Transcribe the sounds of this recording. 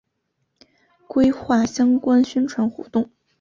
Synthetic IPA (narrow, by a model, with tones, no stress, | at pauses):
kwe˥ɪxwa˥˩ɕjɑ˥ŋkwa˥nɕy˥nʈ͡ʂʰwa˧˥nxɔ̰˧˥t̪ʊ˥˩ŋ